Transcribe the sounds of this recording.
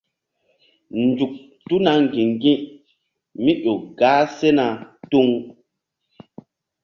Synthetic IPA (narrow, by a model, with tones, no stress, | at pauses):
nd͡ʒu˨k̚ | tu˦na˨ŋ˨ɡĩ˨ŋɡĩ˦ | mi˦ɗo˨ɡaː˨˦se˦na˨tu˦ŋ